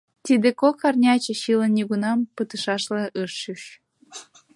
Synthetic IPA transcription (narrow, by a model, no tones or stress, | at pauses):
t̪id̪ekokɑrnʲɑt͡ɕĕɕilə̆nːʲiɣunɑmpɯt̪ɨʃɑʃlĕʔɯʃɕyʃ